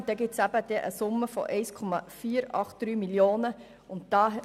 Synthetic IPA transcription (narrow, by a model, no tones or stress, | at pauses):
d̥̪ɛɡɪtsæbəd̥ɛʔə̰sʊmːəfɔ̰ʔɛɪskʰɔmɑfiːɾɑχt̚d̥ɾyːmiljoːnə | ʊntd̥ɑː